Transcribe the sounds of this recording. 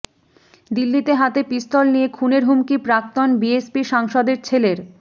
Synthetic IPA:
d̪ilːit̪eɦat̪epist̪ɔlnijekʰuneɾɦumkipɾakt̪onbiespiʃaŋʃɔd̪eɾt͡ɕʰeleɾ

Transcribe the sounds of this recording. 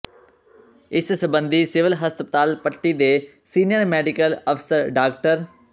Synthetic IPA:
ɪssəbə̃nd̪ʱisɪʋɪlɦəst̪pət̪aːlt̪̚pəʈːid̪eː | siːnɪjəɾmɛːɖikəlɐfsəɾɖaːkʈəɾ

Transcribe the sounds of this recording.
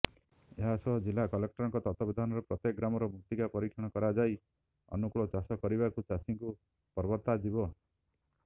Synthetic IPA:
eɦasɔɦɔd͡ʒilakɔlek̚ʈɔɾɔŋkɔt̪ɔt̪ɔbid̪ʱanɔɾɔpɾɔt̪ek̚ɡɾamɔɾɔbʱuk̚t̪ikapɔɾikʰjɔɽ̃ɔkɔɾad͡ʒaj | ɔ̰nukuɭɔt͡ʃasɔkɔɾibakut͡ʃasiŋku | pɔɾbɔɾt̪ad͡ʒibɔ

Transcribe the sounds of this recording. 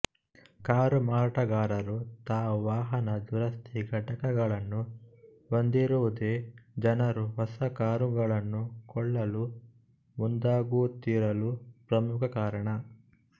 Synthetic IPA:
kaːɾumaːɾʈɐɡaːɾɐɾut̪aːʋaːɦɐnɐd̪uɾɐst̪ʰiɡʱɐʈɐkɐɡɐɭɐnːu | ʋond̪iɾuʋud̪eːd͡ʒɐnɐɾuɦɔsɐkaːɾuɡɐɭɐnːukɔɭːɐlu | mund̪aːɡut̪ːiːɾɐlupɾɐmukʰɐkaːɾɐɳɐ

